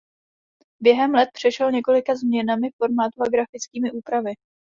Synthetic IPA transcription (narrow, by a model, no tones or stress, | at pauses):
bjɛɦɛmlɛt̪̚pr̝̥ɛʃɛlɲɛko̞lɪkazmɲɛnamɪfo̞ɾmaːt̪uaɡɾafɪt͡skiːmɪʔuːpɾavɪ